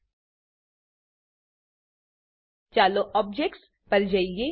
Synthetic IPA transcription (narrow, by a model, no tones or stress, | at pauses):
t͡ʃaːloʔɔːb̚d͡ʒek̚ʈs | pɐɾd͡ʒaije